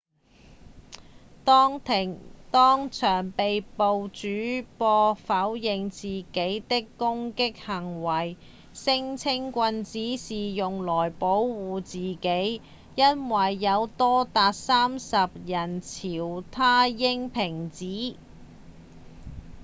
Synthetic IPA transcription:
t̪ːt̪ʰŋt̪ɔː˥ŋt͡ʃʰœː˨˩ŋpe˨jpo˨wt͡ʃyː˨˥pɔː˧fɐ˨˥wjɪ˨ŋt͡siː˨ke˨˥jt̪ɪ˥kːʊ˥ŋkɪ˥k̚hɐ˨˩ŋwɐ˨˩j | sɪ˥ŋt͡sʰɪ˥ŋkʷɐ˧nt͡siː˨˥siː˨jʊ˨ŋlɔː˨˩jpo˨˥wwuː˨t͡siː˨ke˨˥j | jɐ˥nwɐ˨˩jːɐ˨˧wt̪ɔː˥t̪aː˨t̚saː˥msɐ˨p̚jɐ˨˩nt͡sʰiː˨˩wt̪ʰaː˥jɪ˥ŋpʰɪ˨˩ŋt͡siː˨˥

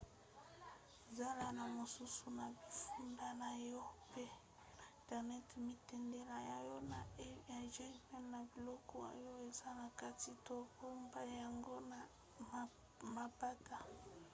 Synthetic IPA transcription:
e˨za˦la˦na˨mo˨su˦su˨na˨bi˨fu˦nda˦na˨jɔ˦pe˦˨ | tɛ˨ʁnɛ˦tmi˦tɛ˨nde˦la˨ja˨jɔ˦na˨˦ja˨ʒa˦˨pɛ˦nna˨bi˨lɔ˦kʰɔ˦˨a̰˨jo˦e˨za˦na˨ka˦ti˨to˦bo˦mba˦ja˨ŋɡo˦na˨ | ma˨pa˦ta˨

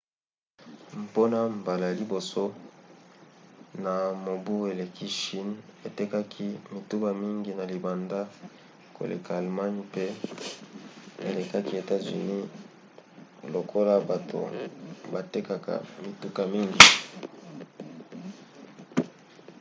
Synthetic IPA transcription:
m˨po˦na˦mba˨la˨jli˨bo˨so˦ | na˨mo˨bu˦e˨le˨kʰi˦ʃi˦ne˨te˦ka˦kʰi˦mi˨tu˦ba˨mi˦ŋɡi˦na˨li˨ba˨nda˦ | ko̰˨lḛ˨ka˨a˨lma˦n˦pe˦ | ḛ˨le˨ka˦ki˦e˨ta˦zy̰˨ni˦ | lo˨kʰo˦la˦ba˨tʰo̰˨ba˨te˦ka˨ka̰˨mi˨tu˦ka˨mi˦ŋɡi˨

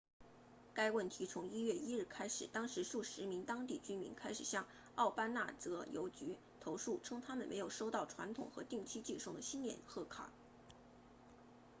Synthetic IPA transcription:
ka˥ɪwə˥˩nt̪ʰi˧˥t͡sʰʊ˧˥ŋi˥ɥɛ˥˩i˥ɻɻ̩˥˩kʰa˥ɪʂɻ̩˨˩t̪ɑ˥ŋʂɻ̩˧˥ʂu˥˩ʂɻ̩˧˥mi˧˥ŋt̪ɑ˥ŋt̪i˥˩t͡ɕy˥nmi˧˥nkʰa˥ɪʂɻ̩˨˩ɕjɑ˥˧ŋ | ɑ˥˩ʊpa˥na̰˥˩t͡sɤ˧˥jo̰˧˥ʊt͡ɕy˧˥ | t̪ʰo˧˥ʊʂu˥˩ʈ͡ʂʰɤ˥ŋt̪ʰa˥mə˨nme˧˥ɪjo˨˩ʊʂo˥ʊt̪ɑ˥˩ʊʈ͡ʂʰwa˧˥nt̪ʰʊ̰˨˩ŋxɤ̰˧˥t̪i˥˩ŋt͡ɕʰi˥t͡ɕi˥˧ʂʊ˥˩ŋd̪ə˩ɕi˥nljɛ̰˥˨˩nxɤ˥˩kʰa̰˨˩˦

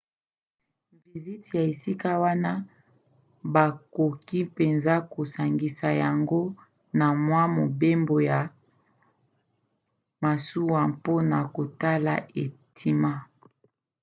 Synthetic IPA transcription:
vi˨zi˦tja˨e˨si˦ka˦wa˦na˦ | ba˨ko˨ki˦pe˨nza˦ko˨sa˨ŋɡi˨sa˨ja˨ŋɡo˦ | na˨mwa˦mo˨be˦mbo˨ja˨ | ma˨su˦wa˨mpo˦na˨ko˨ta˦la̰˨ʔe˨tʰi˨ma˦

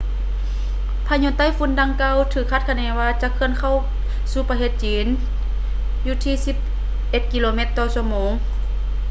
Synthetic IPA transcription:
pʰaː˧ɲo˧˥nt̪a˧˥˨jfu˧˥˦nda˧ŋkaː˧˨wt̪ʰɯː˧˩kʰːa˧˩t̪̚kʰa˧nɛː˧˩waː˧t͡ɕa˧˦kʰɯ˧ə˨nkʰa˧˨w | suː˧paː˧ɦeː˧˩t̪̚t͡ɕiː˨˦n | juː˧t̪ʰiː˧si˧˦p̚ | ʔe˧t̪̚ki˧loː˧me˧˦t̪ːɔː˧su˧əmoː˨˦ŋ

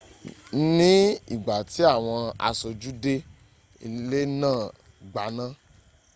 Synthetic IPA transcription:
n̩˦nĩ˦i˦˨ɡ͡ba˨ti˨˦a˦˨w̃ɔ̃˧a̰˧so˧d͡ʒu˦de˦ | i˨˦le˦nãː˦˨ | ɡ͡ba˨nã˦

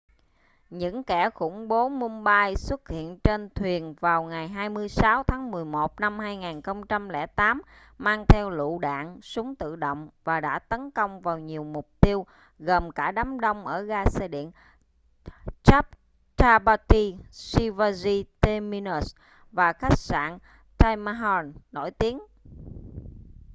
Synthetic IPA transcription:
ɲɨ̰˧˥ŋkɛ˧˩xʊ̰˧˩ŋ͡mɓo˨˦mu˧ŋɓaː˧jswə˦˥t̚hḭ˧˨ənt͡ɕe˧nt̪ʰwi˨˩ənvaː˨˩wŋa˨˩jɦaː˧jmɨ˧əjsaː˨˦wt̪ʰaː˨˦ŋmɨ˨˩əjmo˨˩t̚na˧mhaː˧jŋaː˨˩nxə˧wŋ͡mt͡ɕa˧mlɛ̰˧˩t̪aː˨˦m | maː˧ŋt̪ʰɛ˧wlṵ˧˨ɗa̰ː˧˨nsʊ˨˦ŋ͡mt̪ɨ̰˧˨ɗo̰˧˨wŋ͡mvaː˨˩ɗa̰ː˧˥t̪ə˨˦nkə˧wŋ͡mvaː˨˩wɲi˨˩əwmʊ˨˩k͡p̚t̪i˧əw | ɣə˨˩mkaː˧˩ɗaː˨˦mɗə˧wŋ͡mʔəː˧˩ɣaː˧se˧ɗḭ˧˨ən | t͡ɕa˦˥p̚ | t͡ɕaː˧ɓa˧t̪i˧si˧va˧zi˧t̪e˧mi˧nə˨˦˩s | vaː˨˩xa˦˥jk̚sa̰ː˧˨n | t͡ɕaː˧jma˧ɦɔ˧nːo˧˩jt̪i˨˦ən

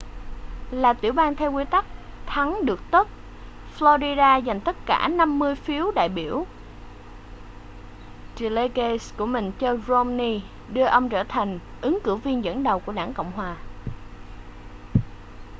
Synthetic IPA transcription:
laː˨˩t̪ḭ˧˩əwɓaː˧nt̪ʰɛ˧wki˨˦t̪a˦˥k̚t̪ʰa˨˦ŋɗɨ˨˩ək̚t̪o˦˥t̚ | flɔ˧zi˧ɗaː˧za˨˩ŋ̟t̪ə˦˥t̚ka̰ː˧˩na˧mːɨ˧əjfi˨˦əwɗa̰ː˧˨jɓi˧˩əw | t͡ɕi˨˩le˧ke˧sku˧˩əmï˨˩ŋ̟t͡ɕɔ˧zo˧mni˧ | ɗɨ˧əʔə˧wŋ͡mt͡ɕəː˧˩t̪ʰa˨˩jŋ̟ | ʔɨ˨˦ŋkɨ˧˩wvi˧ənzə̰˧˥nɗə˨˩wku˧˩əɗaː˧˩ŋkə̰˧˨wŋ͡mɦwaː˨˩

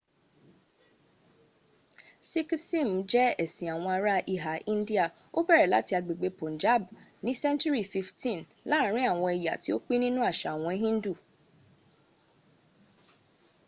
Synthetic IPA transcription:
si˦ki˦sĩ˦˨m̩˨˦d͡ʒɛ˦ɛ˨sĩ˨a˨w̃ɔ̃˧a˧ɾa˧ʔi˦˨ɦa˨ĩ˦n˦di˦a˦˨ | o˦bɛ˦˨ɾɛ˨la̰˨˦ti˧a˧ɡ͡be˨ɡ͡be˧põ˨n˨d͡ʒa˦˨bnĩ˨˦sɛ̃˦nt͡ʃu˦ɾi˦˨fi˧ftĩ˦˨n | lã˦˨˦ɾ̃ĩ˦a˦˨w̃ɔ̃˧ɛ˨ja̰˨ti˦o˦k͡pe˦nĩ˦nũ˦a˦˨ʃa˨w̃ɔ̃˧i˦ɦĩ˦n˦du˦˨

